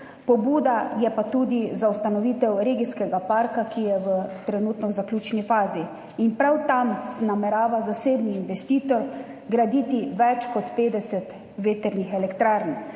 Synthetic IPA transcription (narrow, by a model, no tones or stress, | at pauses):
pɔbuːd̪ajɛpat̪uːd̪izaust̪anɔʋiːt̪ɛwɾeːɡiskɛɡapaɾkakijɛʋət̪ɾɛnuːt̪nɔwzaklʲuːt͡ʃnifaːziː | npɾawt̪amsnamɛɾaːʋazaseːbniːnʋɛst̪iːt̪ɔɾ | ɡɾad̪iːt̪iʋɛt͡ʃkɔt̪peːd̪ɛsɛt̪ | ʋeːt̪ɛɾnixɛlɛkt̪ɾaːɾn